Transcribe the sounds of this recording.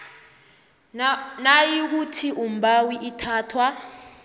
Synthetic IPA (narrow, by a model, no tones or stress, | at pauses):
najik̬utʰiʔumbʱawiʔitʰaːtʰwa